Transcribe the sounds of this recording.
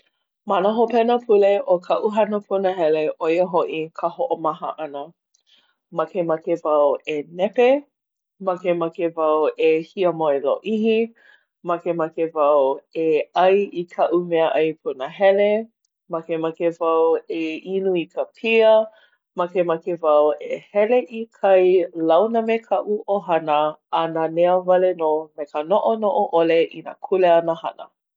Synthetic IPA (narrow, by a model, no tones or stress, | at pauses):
manəɦopɛnəpʰuleʔokʰɐʔuɦɐnəpʰunəɦɛleʔojəɦoʔikʰəhoʔomɐɦə̰ʔɐnə | mɐkemɐkevɐwenɛpe | mɐkemakevɐwehiəmoeloʔihi | mɐkemɐkevɐweɐjikʰɐʔumɛəʔɐjpʰunəɦɛle | mɐkemakevɐweinuikəpʰiə | makemɐkevɐwehɛleʔikʰɐjlɐwnəmekʰɐʔuʔoɦɐnəɐnəneəvɐlenoːmekənoʔonoʔoʔoleʔḭnɐ̰kʰuleɐnəhɐ̰nə̰